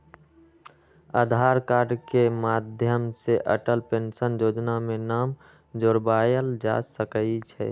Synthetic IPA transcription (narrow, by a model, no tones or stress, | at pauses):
əd̪ʱaɾkaːɾɖkemaːd̪ʱjəmseʔəʈəlpensənjoːd͡ʒnamẽnaːm | d͡ʒoɾbaːjəld͡ʒa̰səkəit͡ʃʰɛ̰